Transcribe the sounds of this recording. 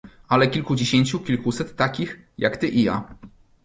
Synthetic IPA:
ʔalɛkʲilkud͡ʑeɕeɲt͡ɕukʲilkusɛt̪ːakʲixjakt̪ɘʔija̰

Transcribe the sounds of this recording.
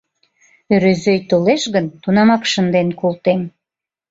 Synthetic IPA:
øɾøzøjt̪oleʃɣənt̪unɑmɑkʃənd̪enkolt̪em

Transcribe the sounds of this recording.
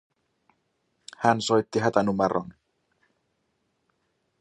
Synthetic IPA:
hænso̞jt̪ːiɦæt̪ænumeɾo̰n

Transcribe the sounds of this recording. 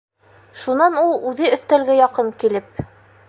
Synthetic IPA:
ʃunɑnulˠʉðɘɵ̆θt̪ælɡɘjɑqɤŋkilɘp̚

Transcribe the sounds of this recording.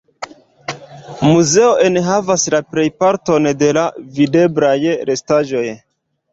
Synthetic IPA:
muze̞o̞ʔe̞nɦavaslapɾe̞jpaɾto̞nde̞lavide̞bɾajɾe̞staʒo̞j

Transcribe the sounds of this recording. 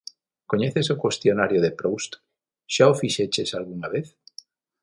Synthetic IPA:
koɲeθesokwest̪jonaɾjoðepɾowst̪ | ʃaofiʃet͡ʃesalɣuŋaβeθ

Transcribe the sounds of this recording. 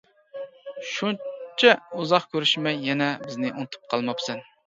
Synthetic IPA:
ʃunt͡ʃʰɛuzɑχkʲʰøɾyʃmɛjːɛnɛbɪznɪʔunt̪ʰu̥p̚qʰɑlˠmɑpsɛn

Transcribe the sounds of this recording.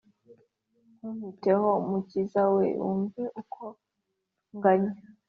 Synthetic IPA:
humitehomucizawḛʔṵːɱveʔukʰo | ŋɡaɲea

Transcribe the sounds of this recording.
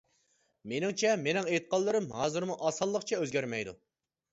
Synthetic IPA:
menɪŋt͡ʃʰɛmenɪŋejt̪̚qʰɑlˠːɨɾɨmɦɑːzɨɾmuʔɑsɑlˠːəqt͡ʃʰɛøzɡʲæɾmɛjd̪ṵ

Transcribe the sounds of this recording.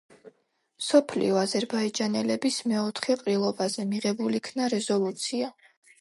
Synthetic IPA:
msɔpʰlḭɔazɛɾbaid͡ʒanɛlɛbismɛɔt̪ʰχɛqʼɾilˠɔbazɛmiʁɛbulikʰnaɾɛzɔlˠut̪sʰia

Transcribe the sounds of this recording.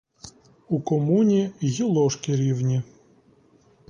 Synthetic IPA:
ukɔmunʲiɣʲilˠɔʃkɪɾʲiwnʲi

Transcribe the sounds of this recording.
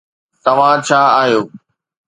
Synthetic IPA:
t̪ɐʋ̤ãt͡ɕʰaːaːɦijoː

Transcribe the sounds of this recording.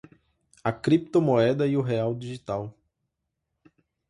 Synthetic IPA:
ɐkɾip̚t̪omoɛd̪ɐiʊɦeawd̪iʒit̪aw

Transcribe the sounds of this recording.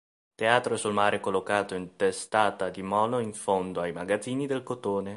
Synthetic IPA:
t̪eaːt̪ɾoɛsulmaːɾʔekolːokaːt̪oint̪est̪aːt̪ad̪imɔːloiɱfond̪oajmaɡad̪zːiːnid̪elkot̪oːne

